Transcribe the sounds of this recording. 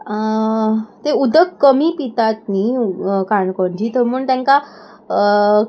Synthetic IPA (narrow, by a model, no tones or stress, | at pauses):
t̪eud̪ʱəkːəmipit̪at̪̚niːkaɳkɔɳd͡ʑiːt̪ʰəmuːɳt̪jɛ̃ŋka